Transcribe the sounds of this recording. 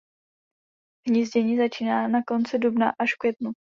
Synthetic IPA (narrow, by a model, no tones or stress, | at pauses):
ɦɲizɟɛɲizat͡ʃiːnaːnako̞nt͡sɪdubnaʔaʃfkvjɛt̪nu